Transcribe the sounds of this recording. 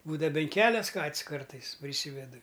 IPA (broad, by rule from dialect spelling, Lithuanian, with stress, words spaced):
ˈbuːdɐʋɐ bʲɛn ˈkʲæːlʲɛs ˈkɐtʲsʲ ˈkɐrtɐɪs pʲrʲɪˈsʲiːʋʲɛdʊ